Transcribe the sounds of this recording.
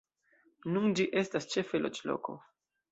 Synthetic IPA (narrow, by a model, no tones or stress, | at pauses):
nund͡ʒiʔe̞stast͡ʃe̞fe̞lot͡ʃlo̰ko̞̰